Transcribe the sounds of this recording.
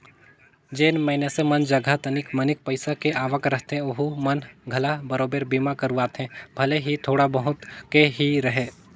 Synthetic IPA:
d͡ʒeːnməːnesemɐnd͡ʒɐɡʱat̪ənɪkmɐnɪk̚pəɪsakeʔaːʋəkɾɐɦt̪ẽoɦumɐnɡʱɐlabɐɾoːbeːɾbiːmakəɾuaːt̪ɦɛ̃bʱɐleɦit̪ʰoːɽabəɦʊt̪keɦiɾɐɦeː

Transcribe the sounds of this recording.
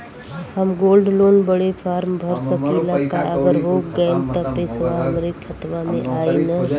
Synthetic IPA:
hɐmɡoːlɖloːnbəɽepʰaːɾmbʱɐɾsəkilaːkaʔəɡəɾɦoːkɡəent̪ɐpesəʋaɦɐmɾekɐt̪ʋamḛ̃ʔaːinə

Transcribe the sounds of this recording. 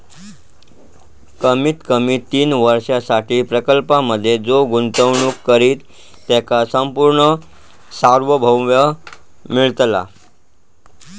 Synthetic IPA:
kəmiːt̪kəmiːt̪ːiːnʋəɾʂjasaʈʰiːpɾəkəlpaməd̪ʱːjed͡zoɡunt̪əʋɳuːkːəɾiːt̪ː | ɛkasəmpuɾɳə | saɾʋəbʱəwʋjə | miɭt̪la̰

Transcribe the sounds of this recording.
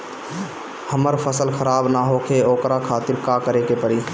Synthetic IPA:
həməɾpʰəsəlxʰəɾaːbnaɦokʰeoːkɾakʰaːt̪ɪɾkaːkəɾekepəɽiː

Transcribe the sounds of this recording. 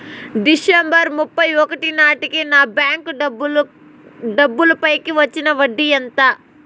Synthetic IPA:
ɖisembɐɾmupːɐjɔkɐʈinaːʈikinaːbjaːŋkɐb | ɖɐbːulɐpɐjkiʋɐt͡ʃːinɐʋɐɖːijɐnt̪ɐ

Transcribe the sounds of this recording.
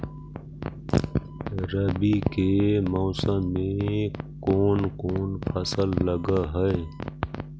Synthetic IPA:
ɾəbikemoːsə̃mːẽkoːnkoːnpʰɐsəlːəɡaɦəe

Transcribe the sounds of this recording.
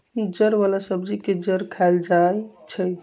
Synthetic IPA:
id͡ʒəɾbalasəbd͡ʒiked͡ʒəɾkʰald͡ʒajt͡ʃʰəj

